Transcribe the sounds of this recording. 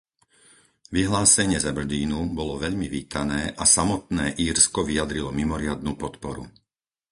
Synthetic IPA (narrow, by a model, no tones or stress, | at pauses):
ʋiɦlaːsɛɲɪɛzabr̩d̪iːnubɔlɔʋɛʎmiʋiːt̪ʰanɛːʔasamɔt̪nɛːʔiːɾskɔʋijad̪ɾilɔmimɔɾɪad̪nuːpɔt̪pɔɾṵ